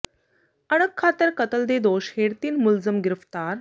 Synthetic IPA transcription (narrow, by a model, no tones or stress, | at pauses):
əɽ̃əkʰːat̪əɾkət̪əld̪ed̪oɕheɽt̪iːnmuld͡zəmɡiɾft̪aɾ